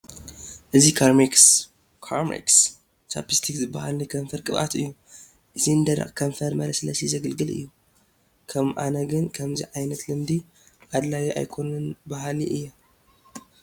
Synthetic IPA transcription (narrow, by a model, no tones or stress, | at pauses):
ʔɨzikʰaɾmiks | kʰaɾmḭks | t͡ʃʰa̰pʰist̪ʰikzɨbːahalnikʰɐmfɐɾkʼɨβa̰t̪ɨ̰jːu | ʔɨziɨnd̪ɐɾɐ̰χkʰɐmfɐɾmɐɾɐsɨlɐsizɐɡɐlɡɨlʔɨ̰jːu | kʰɐmʔa̰nɐɡɨnkʰɐmziʕajnɐt̪lɨmd̪i | ʕad̪lawiʔa̰jkʰo̞nɨnbɐhaliʔɨjːa